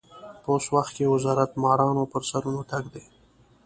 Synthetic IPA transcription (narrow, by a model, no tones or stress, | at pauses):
poswaxt̪̚kewɪzɑɾat̪mɑːɾɑnopəɾsaɾunoʈaɡd̪e